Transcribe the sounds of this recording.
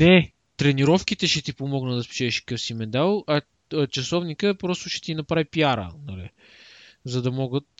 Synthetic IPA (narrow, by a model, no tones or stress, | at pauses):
nɛ | t̪ɾɛniɾɔfk̟it̪ɛʃɛt̪ipomɔɡnəd̪ɐspu̥t͡ʃɛːʃkə̥kɤfsimɛd̪alˠɐ | t͡ʃɐsɔvnikəpɾɔst̪ʊʃɛ̥t̪inɐpɾavipiaɾə̰nɐlḭ | zɐd̪ɐmɔɡət̪